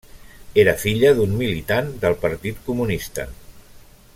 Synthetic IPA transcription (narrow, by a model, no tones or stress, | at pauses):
eɾəfiʎəðummilit̪and̪əlˠpəɾt̪it̪kumunist̪ə̰